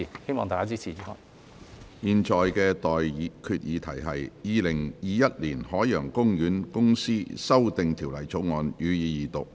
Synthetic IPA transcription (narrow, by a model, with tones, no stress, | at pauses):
i˨˩he˥jmɔː˨ŋt̪aː˨kaː˥t͡siː˥t͡sʰiː˨˩iː˨˥hɔː˧˩j | jiː˨nt͡ʃʰɔː˨jkɛː˧t̪ɔː˨jkʰy˧t̚jiː˨˧t̪ʰɐ˨˩jɦɐ˨jjiː˨˧lɪ˨˩ŋjiː˨˧jɐ˥t̚liː˨˩nhɔː˨˥jjœː˨˩ŋkʊ˥ŋjyː˨˥nkʊ˥ŋsiː˥sɐ˥wt̪ɪ˨ŋt̪ʰi˨˩wlɐ˨˩jt͡so˨˥wŋɔː˨˧njyː˨˧jiː˨˧jiː˨t̪ʊ˨k̚